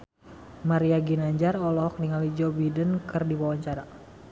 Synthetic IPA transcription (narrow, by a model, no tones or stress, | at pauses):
maɾiaɡinaɲd͡ʒarɔlɔɦɔk̚niŋalid͡ʒɔbidənkɨrdiwawaɲt͡ʃaɾa